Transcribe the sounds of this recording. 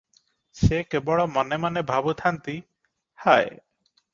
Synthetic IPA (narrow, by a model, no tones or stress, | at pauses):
sekebɔɭɔmɔnemanebʱabut̪ʰant̪i | haj